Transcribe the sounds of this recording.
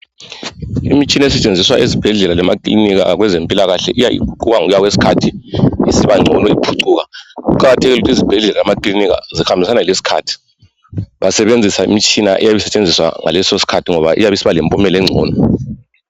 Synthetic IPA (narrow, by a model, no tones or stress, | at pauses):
ḭmit͡ʃʼinɛsɛt͡ʃʼend͡zʱiswaʔizib̥ʱɛɮɛlalamakʼliniɣ̬a̰ɣwɛzempʼilaɣaɬɛ̰ʔijaḭkʰuǀuɣaŋujaɣwesi̥kʰatʰiisiβaŋ͡ǀʱɔnɔipʰuǀuːɣaɣuǃaɣatʰɛɣilutʰizib̥ʱɛɮɛlalamakʼliniɣa̰zixambʱisanalesi̥kʰa̰ːtʰi̥ | βasɛβend͡zʱisaḭmit͡ʃʰʼinaʔɛ̰jaβɛsɛt͡ʃʼend͡zʱiswa̰ŋa̰lɛsosi̥kʰatʰiŋɔβa̰ʔḭjaβɛsiβalɛmpʼɔmɛlɛŋ͡ǀʱɔ̰ːnɔ